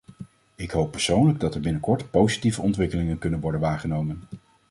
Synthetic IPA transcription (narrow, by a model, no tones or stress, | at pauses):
ɪkɦowpːɛɹsownləɡ̚dɑtəɹbɪnəkɔɹtpowzitivəɔntʋɪkəlɪŋənkɵnənʋɔɹdənʋaːχənowmən